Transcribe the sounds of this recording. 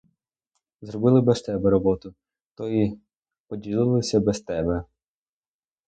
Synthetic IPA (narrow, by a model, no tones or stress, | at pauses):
zrɔbɪlˠɪbɛst̪ɛbɛɾɔbɔt̪ʊ | t̪ɔji | pɔdʲilˠɪlˠɪsʲɐbɛst̪ɛbɛ